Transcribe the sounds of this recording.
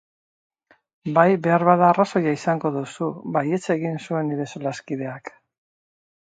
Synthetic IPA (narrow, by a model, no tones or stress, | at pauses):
bajbe̞aɾβaðaːraso̞jaisaŋɡo̞ðusuβaje̞t͡se̞ɣinsue̞niɾe̞solaskiðe̞ak